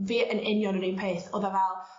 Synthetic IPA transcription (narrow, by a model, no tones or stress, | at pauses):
viːʔənɪnjɔnəɾiːnpʰeːθoːðavɛlˠ